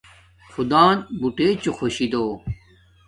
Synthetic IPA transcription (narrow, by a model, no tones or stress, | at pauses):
xud̪aːnbuʈeːt͡ɕuxoɕid̪oː